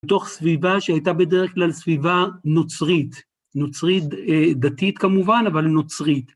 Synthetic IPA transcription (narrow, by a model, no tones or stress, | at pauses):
t̪o̞χsvivaʃeajtabedeʁeχklalsvivanot͡sʁit̪ | not͡sʁit̚ed̪at̪it̪kamuvanavalnot͡sʁit̪